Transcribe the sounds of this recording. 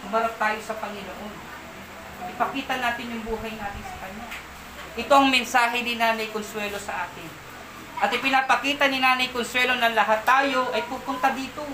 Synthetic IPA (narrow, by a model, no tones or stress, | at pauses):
mɐɾɐp̚t̪aːjo̞sɐpɐŋɪnoʔo̞n | ʔɪpɐkiːt̪ɐnaːt̪ɪnjʊŋbuːɦɐjnaːt̪ɪnsɐ̥kɐɲːa | ʔɪt̪o̞ʔɐŋmɛnsaːɦɪnɪnaːnɐjkonswɛːlo̞sɐʔaːt̪ɪn | ʔɐt̪ɪpɪnapɐkiːt̪ɐnɪnaːnɐjkonswɛlo̞nɐŋlɐɦat̪ːaːjo̞ʔɐjpuːpʊnt̪ɐd̪iːt̪o